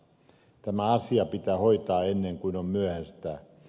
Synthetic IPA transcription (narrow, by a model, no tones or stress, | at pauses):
t̪æmæɑsiɑpit̪æːhoit̪ɑːenːeŋkuinommyæhæst̪æː